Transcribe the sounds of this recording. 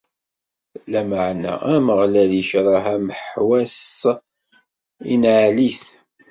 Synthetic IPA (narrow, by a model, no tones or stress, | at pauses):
læməʕnæ̰æməʁlæljəʃɾˤɑɦæməħwæs | ḭnʕliθ